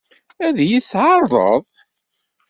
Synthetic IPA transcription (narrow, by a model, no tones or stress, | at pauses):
æðjiθʕɑɾˤðˤə̰ðˤ